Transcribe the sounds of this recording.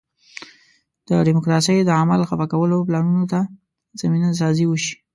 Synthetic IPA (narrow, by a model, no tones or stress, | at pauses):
d̪̥əɖɪmʊkɾɑsəjd̪əamalxafakawəloplɑnunot̪a | z̥aminas̬ɑziwəʃi̥